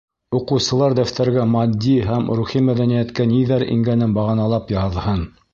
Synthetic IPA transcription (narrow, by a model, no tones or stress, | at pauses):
uqɤ̆wsɤ̆lˠɑɾd̪æwt̪ʰæɾɡæmɑd̪ʲːiɦæmɾuχimæðænijæt̪kæniðæɾḭŋɡænɘnbɑʁɑnɑlˠɑpjɑðɤhɤn